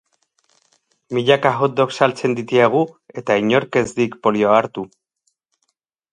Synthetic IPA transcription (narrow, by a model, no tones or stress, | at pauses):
miʎakaɣot̪̚d̪o̞ksalt͡se̞nd̪it̪iaɣ̞ue̞t̪aiɲo̞ɾke̞zd̪ikpo̞lioaɾt̪u